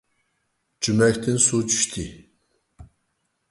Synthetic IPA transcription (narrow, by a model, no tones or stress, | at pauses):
d͡ʒymɛkʲt̪ʰinsut͡ʃʰy̥ʃt̪ʰi